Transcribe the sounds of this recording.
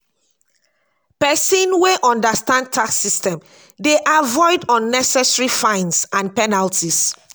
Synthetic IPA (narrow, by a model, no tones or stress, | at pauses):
pɛsĩnweʔɔ̃ndastãnd̚tʰaksistɛ̃m | deʔavɔɪdɔ̃nːɛsɛsɹifãɪ̃nsãnpɛnaltis